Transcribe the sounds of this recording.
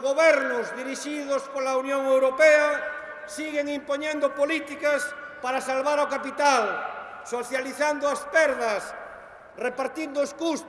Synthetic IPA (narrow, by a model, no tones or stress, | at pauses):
ɣoβɛɾnʊzðiɾiʃiðospolaunjoŋewɾopea | siɣeŋimpoɲẽnd̪opolit̪ikas | paɾasalβaɾaokapit̪al | soθjaliθand̪ʊaspɛɾðɐs | repaɾt̪ind̪ʊːskus